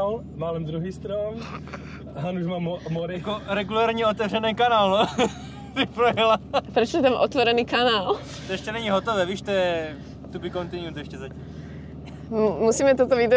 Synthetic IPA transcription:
l | maːlɛmd̪ɾuɦiːst̪ɾɔm | ɦanuʒmamɔɾijakoɾɛɡulaːɾɲɛɔt̪ɛvrɛnɛːkanaːlnɔ | sipɾɔjɛlapɾɛt͡ʃɔɲɛt̪amʔɔt̪ʋɔɾɛniːkanaːl | t̪ɔɛʃcɛnɛɲiɦɔt̪ɔʋɛːʋiːʃt̪ɔjɛ | t̪upikɔnt̪inut̪ɔɛʃcɛzacɛ | musiːmɛt̪ɔt̪ɔʋid̪

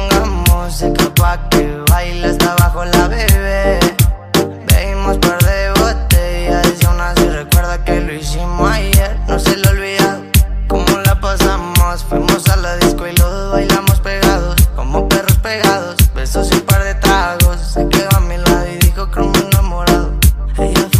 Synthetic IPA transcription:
ŋɡamosikapakeβajlast̪aβaxolaβeβe | bḛimospaɾðeβot̪eaesawnasjorekweɾðakeloisimoajeɾnoselolβiðaðokomolapasamosfwimosalaðiskoiloðβajɣamospeɣaðoskomoperospeɣaðosbesosumpaɾðe̞t̪ɾaɣosikeamĩlaiðixokɾumosnamoɾaðoejo

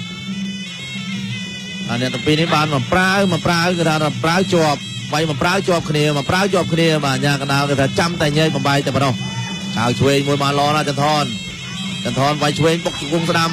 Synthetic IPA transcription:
ʔaːnɛ̆əʔt̪uəmpiːnihɓaːnmɑnprawmɔprawkɨt̪ʰaːt̪apraəwt͡ɕoəp̚ | ʋajmɑnpraəwt͡ɕoəp̚kʰniəmɔpraəwt͡ɕoəp̚kʰniəɓaːʔaɲaːkɑnɗaəlkɨt̪ʰaːt͡ɕamt̪aɛɲɛək̚ɓɑmɓaɛk̪̚aɛpɔnoh | t͡ɕʰawt͡ɕʰʋeːɲmuəjmaːnlɔːnaːt͡ɕant̪ʰɔːn | t͡ɕat̪ʰɑːnʋajt͡ɕʰʋeːɲɓok̚t͡ɕokuəŋsɗam

